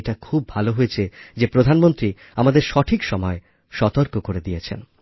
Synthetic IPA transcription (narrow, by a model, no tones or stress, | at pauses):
eʈakʰub̚ːʱaloɦojet͡ɕʰed͡ʑepɾod̪ʱanmont̪ɾi | amad̪eɾʃɔʈʰikʃɔmɔe | ʃɔt̪oɾkokoɾed̪ijet͡ɕʰḛn